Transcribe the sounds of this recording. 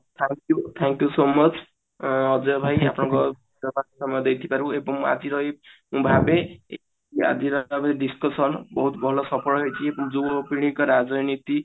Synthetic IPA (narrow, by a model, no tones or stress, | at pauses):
t̪ʰaŋkjut̪ʰaŋkjusomʌt͡sʰ | ʌd͡zʌbʱajapʰnʌŋko | d͡zɔbakosʌmʌjɔd̪ejt̪ʰi̥paɾuebɔma̰d͡ziɾʌemũbʱabee | a̰d̪iɾʌabeɖiskʌsʌnbʌɦut̪bʱɔlɔsʌpʰɔɽɦojt͡sʰiebʌmd͡zubpiɽ̃ikɔɾad͡zʌnit̪i